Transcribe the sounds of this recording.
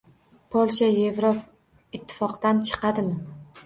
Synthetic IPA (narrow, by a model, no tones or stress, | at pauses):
pʰolʲˠʃaje̞vɾop | ɪt̪ʰːɪ̥fɒqd̪ant͡ʃʰɨ̥qʰɑd̪ɪmɪ